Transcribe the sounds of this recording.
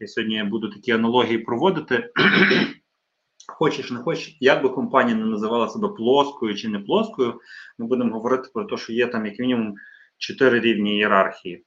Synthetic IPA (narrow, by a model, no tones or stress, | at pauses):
sʲɦɔdʲnʲijabud̪ʊt̪ɐkʲiɐnɐlˠɔɦʲijipɾɔʋɔd̪ɪt̪ɪ | xɔt͡ʃɪʃnɛxɔt͡ʃjɐɡ̚bɪkɔmpɑnʲijɐnɛnɐzɪʋɑlˠɐsɛbɛplˠɔskɔjʊt͡ʃɪnɛplˠɔskɔjʊmɪbud̪emɦɔʋɔɾɪt̪ɪ̥pɾɔt̪ɔʃt͡ʃɔjɛt̪ɑmjɐkmʲinʲɪmʊm | t͡ʃɔt̪ɪɾɪɾʲiwnʲijeɾɑrxʲiji